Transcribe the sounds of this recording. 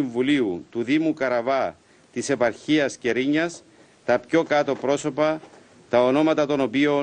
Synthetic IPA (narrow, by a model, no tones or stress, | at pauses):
iɱvuliut̪uðimukɐɾɐvɐ | t̪ise̞pɐɾçiɐsce̞ɾiɲːɐs | t̪ɐpço̞kɐt̪o̞pɾo̞so̞pɐ | t̪ɐono̞mɐt̪ɐt̪o̞no̞pio̞